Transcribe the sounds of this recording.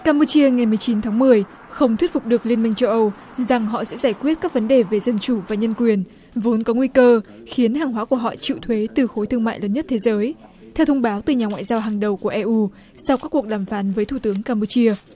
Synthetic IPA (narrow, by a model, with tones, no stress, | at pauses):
kaː˧mpu˧t͡ɕi˧əŋa˨˩jmɨ˨˩əjt͡ɕi˨˦nt̪ʰaː˨˦ŋmɨ˨˩əj | xə˧wŋ͡mt̪ʰwi˦˥ət̚fʊ˨˩k͡p̚ɗɨ˨˩ək̚li˧ənmï˧ŋ̟t͡ɕə˧wʔə˧w | za˨˩ŋɦɔ̰˧˨sɛ̰˧˥zaː˧˩jkwi˦˥ət̚kaː˦˥k̚və˨˦nɗe˨˩ve˨˩zə˧nt͡ɕu˧˩vaː˨˩ɲə˧nkwi˨˩ən | vo˨˦nkɔ˨˦ŋwi˧kəː˧xi˨˦ənhaː˨˩ŋɦwaː˨˦ku˧˩əɦɔ̰˧˨t͡ɕḭ˧˨wt̪ʰwe˨˦t̪ɨ˨˩xo˨˦jt̪ʰɨ˧əŋma̰ː˧˨jləː˨˦nɲə˦˥t̚t̪ʰe˨˦zəː˨˦jt̪ʰɛ˧wt̪ʰə˧wŋ͡mɓaː˨˦wt̪ɨ˨˩ɲaː˨˩ŋwa̰ː˧˨zaː˧wɦaː˨˩ŋɗə˨˩wku˧˩əʔɛ˧ʔu˧ | sa˧wkaː˦˥kːu˨˩ək̚ɗaː˧˩mfaː˨˦nvəː˨˦jt̪ʰu˧˩t̪ɨ˨˦əŋkaː˧mpu˧t͡ɕi˧ə